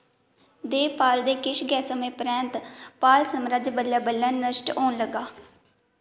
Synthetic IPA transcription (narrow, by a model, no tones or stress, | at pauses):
d̪eːpaːld̪eːkɪʃɡɛːsəmẽːpɾɛ̃ːnt̪paːlsəmɾəd͡ʒbəljaːbəlːəːnːəʃʈoːnləɡaː